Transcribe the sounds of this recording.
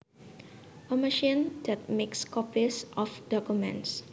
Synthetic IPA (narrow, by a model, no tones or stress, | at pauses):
əməʃĩndɛt̚mekskɔpisʔɔfd̥ɔkjumɛ̰̃ns